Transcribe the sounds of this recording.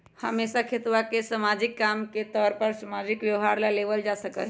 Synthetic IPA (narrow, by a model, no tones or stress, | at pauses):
həmesakʰet̪wakesəmad͡ʒɪkːamket̪ɔːɾpəɾsəmad͡ʒɪkʋjəɦaɾlaleʋəld͡ʒasəkə̰